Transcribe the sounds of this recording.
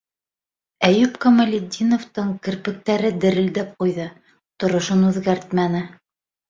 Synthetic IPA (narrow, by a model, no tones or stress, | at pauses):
æjʉpkɐmɐlʲɪd̪ʲinoft̪ɤɴkɘ̆ɾpɘ̆k̚t̪æɾɘd̪ɘ̆ɾɘ̆ld̪æp̚qujðɤ | t̪ŏɾŏʃɤnʉðɡæɾt̪mænɘ